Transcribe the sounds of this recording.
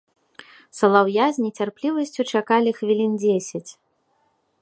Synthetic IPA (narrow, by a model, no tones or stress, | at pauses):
sɐlˠawjazʲnʲit͡sʲarplʲivɐsʲt͡sʲut͡ʂakalʲixvʲilʲind͡zʲesʲɐt͡sʲ